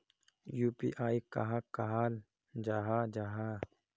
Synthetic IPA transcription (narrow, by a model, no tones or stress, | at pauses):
juːpḭʔaːika̰ɦãkaɦaːl | d͡ʒaɦad͡ʒaɦa